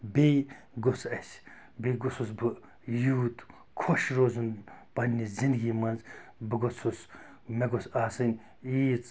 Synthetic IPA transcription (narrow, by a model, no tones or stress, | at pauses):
bej | ɡosʰɐsʲ | beɡususbɨ | juːt̪ | kʰoʃɾoːzunb̥ɐnʲːizind̪ɡʲiːmɐnzbɨɡot͡sʰus | meɡosaːsɨnʲ | iːt͡s